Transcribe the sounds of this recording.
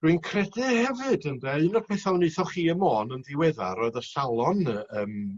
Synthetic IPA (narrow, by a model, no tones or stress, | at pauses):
r̥wiɨnkʰrɛdɛhɛvɨdəndɛɨnɔd̥̚pʰɛθalˠnɨθɔχiːəmoːnənðɪwɛða̰ɾɔɨðəsalˠɔnəːm